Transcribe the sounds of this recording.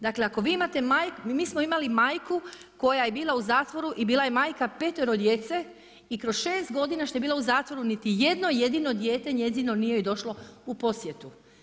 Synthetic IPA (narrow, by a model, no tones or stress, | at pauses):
d̪akle̞ako̞ʋiːimat̪e̞maːjkmiːsmoimalimaːjkuko̞jaje̞biːlˠauzaːt̪ʋo̞ɾuʔibiːlˠaje̞maːjkape̞t̪eɾod̪je̞ːt̪se̞ | ikɾo̞sʃe̞ːst̪ɡo̞d̪inaʃt̪oeiːlauzaːt̪ʋo̞ɾunit̪ije̞d̪no̞je̞d̪ino̞d̪jeːt̪e̞ɲje̞zino̞nijejed̪o̞ʃloupo̞sje̞t̪u